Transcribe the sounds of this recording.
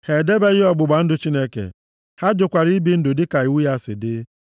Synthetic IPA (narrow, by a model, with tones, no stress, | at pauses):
he˨de˦be˦ɣɪ˦ɔ˦ɡ͡bʊ˨ɡ͡ba˨n̩˦dʊ˨t͡ʃi˦ne˦kḛ˨ | ha˦d͡ʒʊ˨kʷa˨ɾi˦bi˦n̩˦dʊ˨dɪ˦ka˨u˦ja˦˨sɪ̰˨dɪ˦